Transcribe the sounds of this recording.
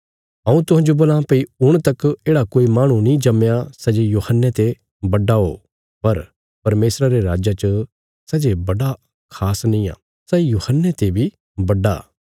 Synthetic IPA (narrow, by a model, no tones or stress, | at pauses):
ɐ̃ũt̪ʊɦãːnd͡ʒoboːlãpɐiʊɽ̃t̪ɐkeːɽakoːimaːɽ̃ũnĩd͡ʒɐmjasɐd͡ʒejuːhənːet̪e | bɐɖaɦo̰ː | pɐɾ | pɐɾmeːsɾaɾeɾaːd͡ʒat͡ʃə | sɛd͡ʒebɐɽa | kʰaːsnĩa̰ː | sɛːijuːhənːet̪ebʱi | bɐɖa̰ː